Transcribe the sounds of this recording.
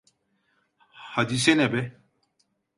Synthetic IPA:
hɐd̪isenebe

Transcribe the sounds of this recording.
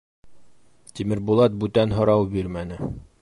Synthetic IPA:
t̪ʲimɘ̆ɾbulˠɑt̪̚bʉt̪ænɦŏɾɑwbiɾmænɘ

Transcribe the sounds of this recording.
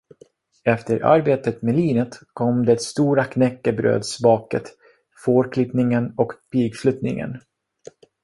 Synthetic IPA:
ɛft̪əɾʔa̰ɾbeːt̪ət̪meliːnət̪kʰɔmd̪ɛːt̪st̪uːɾakʰnɛkːəbɾø̰ːd̪sbɑːkə̰t̪ | foːɾkʰlɪpnɪŋənɔkpiːɡflɵt̪nɪ̰ŋə̰n

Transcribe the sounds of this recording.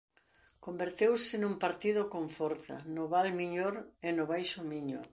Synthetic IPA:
kombeɾt̪ewsɪnũmpaɾt̪iðʊkõɱfɔɾθɐ̰nʊβalmiɲoɾenʊβajʃʊmiɲo̰

